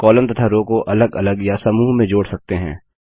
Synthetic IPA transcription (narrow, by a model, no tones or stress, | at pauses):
kɔːlə̃nt̪ɐt̪ʰaɾoːkoʔɐləɡɐləɡjasɐmuːɦmẽd͡ʒoːɽsɐk̚t̪eɦɛ̰̃ː